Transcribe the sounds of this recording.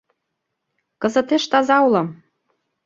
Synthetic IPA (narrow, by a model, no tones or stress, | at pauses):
kɤ̆zɤ̆t̪eʃt̪ɑzɑulɤ̆m